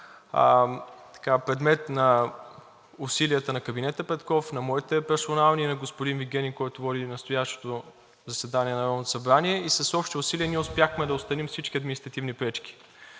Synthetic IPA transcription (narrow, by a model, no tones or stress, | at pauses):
t̪ɐ̥kapɾɛd̪mɛt̪nɐ | ʊsiliət̪ənɐkɐbinɛt̪əpɛt̪kɔfnɐmɔit̪ɛpɛɾsonalˠninɐɡospʊd̪inviɡʲɛnʲikɔjt̪ʊvɔd̪inɐst̪oʊjaʃt̪o̥t̪o | zɐsɛd̪aniɛnɐɾɔd̪not̪o̥sɐbɾaniɛisɐsɔpʃt̪iʊsiliəniɛʊspjaxmɛd̪ɐʊtst̪ɐnimfsit͡ʃk̟ʲiɐd̪minist̪ɾɐt̪ivnipɾɛt͡ʃk̟i̥